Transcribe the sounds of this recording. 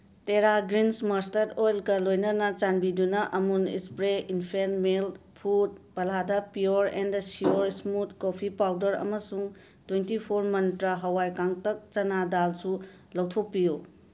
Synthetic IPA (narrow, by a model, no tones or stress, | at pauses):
teɾaɡɾinsmastɐɾojlɡɐlojnɐnɐt͡ʃanbidunɐʔɐmunḭspɾeinpʰenmelpʰut̚b̥ɐladɐpijoɾendsioɾsmut̚kopʰipawdɐɾɐ̰mɐsuŋ | twentipʰoɾmɐntɾɐɦɐwajkaŋtɐk̚t͡ʃɐnadalsu | lɐwtʰok̚piju